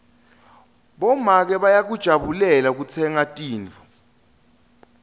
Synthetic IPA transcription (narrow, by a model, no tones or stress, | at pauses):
ɓɔmak̬ɛɓajak̬ud̥ʒ̥ʱaɓulɛlak̬ut͡sʰɛŋatʼiːnt͡fʰu̥